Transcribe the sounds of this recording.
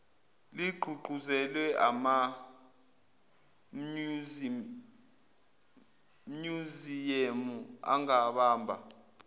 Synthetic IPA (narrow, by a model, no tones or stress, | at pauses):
liɡ͡ǃʱuɡ͡ǃʱuzɛlwɛʔa̰ma | muzijemua̰ŋaɓaːmbʱa̰